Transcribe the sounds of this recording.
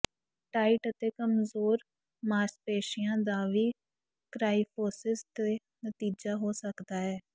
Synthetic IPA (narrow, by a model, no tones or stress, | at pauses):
ʈaːɪʈət̪eːkəmzoːɾ | maːɾspeːʃɪjãːd̪aːʋiː | kɾaːiːpʰoːsɪst̪eː | nət̪iːd͡ʒaːɦoːsəkd̪aːɦɛː